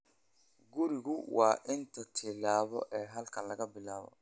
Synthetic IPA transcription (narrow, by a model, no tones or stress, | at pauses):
ɡʊɾɪɣʊwɑːʔɪnt̪ʰɐt̪ʰɪlaːβɔ̰ʔɛːɦɐlkʰɐnlɐɣɐbɪlaːβɔ̰